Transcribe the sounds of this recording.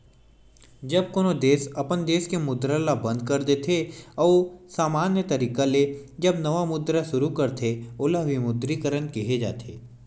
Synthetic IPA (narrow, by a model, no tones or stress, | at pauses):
d͡ʒɐb̚koːnod̪eːsɐpənd̪eːskemʊd̪ɾalabə̃nd̪̚kɐɾd̪et̪ʰeɔːsaːmaːnjət̪ɐɾiːkaled͡ʒɐbnɐʋamʊd̪ɾaʃʊɾukɐɾt̪ʰeoːlaʋimʊd̪ɾikəɾənkiɦed͡ʒa̰ːt̪ʰḛː